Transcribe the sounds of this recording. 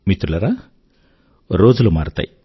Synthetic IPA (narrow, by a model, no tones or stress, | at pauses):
mit̪ɾulɐɾaː | ɾoːd͡ʒulumaːɾut̪a̰ːji